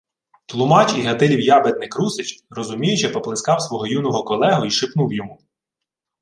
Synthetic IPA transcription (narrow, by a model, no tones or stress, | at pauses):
t̪lˠʊmɑt͡ʃiɦɐt̪ɪlʲiwjɑbet̪̚nɪkɾusɪt͡ʃrɔzʊmʲijʊt͡ʃɛpɔplˠɪskɑwsʋɔɦɔjunɔɦɔkɔlˠɛɦʊiʃɪpnuwjɔmu